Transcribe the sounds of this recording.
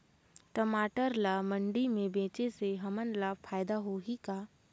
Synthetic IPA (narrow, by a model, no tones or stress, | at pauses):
ʈəmaːʈəɾlamə̃ɳɖimẽbẽːt͡ʃeseɦɐmənlapʰaːjd̪aɦoːɦikaː